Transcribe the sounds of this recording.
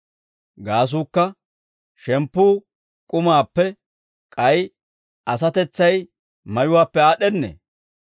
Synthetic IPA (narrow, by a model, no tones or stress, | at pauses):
ɡaːs̬uːkːɐ | ʃɛmpːuː | kʼʊmaːpːɛ | kʼɐj | ʔɐs̬ɐt̪ɛt͡sːɐj | mɐjʊwaːpːɛaːɗɛnːḛː